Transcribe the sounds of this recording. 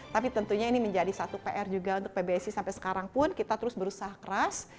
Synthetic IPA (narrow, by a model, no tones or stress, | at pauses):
t̪apit̪ənt̪uɲainiməɲd͡ʒadisat̪upeʔɛrd͡ʒuɡaunt̪ʊk̚pebesisampajsə̥kaɾaŋpʊnkit̪at̪əɾʊsbəɾusaɦakəɾas